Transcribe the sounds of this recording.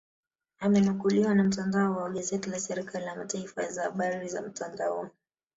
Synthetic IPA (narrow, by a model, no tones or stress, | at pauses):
amɛnukuliwanam̩tandaɔwaɠazɛtilasɛɾikalilamataifa̰zahaɓaɾiza̰m̩tandaɔ̰